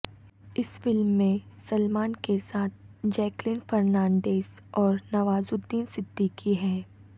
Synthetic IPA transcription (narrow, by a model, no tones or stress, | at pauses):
ɪsfɪlmːẽsɐlmaːnkesaːt̪̚ʰ | d͡ʒɛːklɪnfɐɾnãːɳɖeːz | ɔːɾnɐʋaːzʊd̪ːiːnsɪd̪ːikiɦɛː